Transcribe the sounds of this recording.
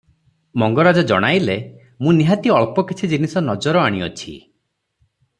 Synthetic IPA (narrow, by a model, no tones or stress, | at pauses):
mɔŋɡɔɾad͡ʒɔd͡ʒɔ̰ɽ̃ajle | mũniɦat̪iɔɭpɔkit͡ʃʰid͡ʒinisɔnɔd͡ʒɔɾɔaɽ̃iɔ̰t͡ʃʰḭ